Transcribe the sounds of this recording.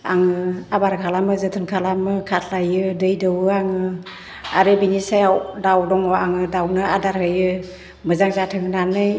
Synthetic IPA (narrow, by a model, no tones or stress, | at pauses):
aŋɯabaɾkʰalamɯzɯtʰɯnkʰalamɯkʰatʰlajɯdɯjdɯwɯaŋɯ | aɾɯbinisajawdawdɔŋɔaŋɯdawnɯadaɾhɯjɯ | mɯzaŋzatʰɯŋnanɯj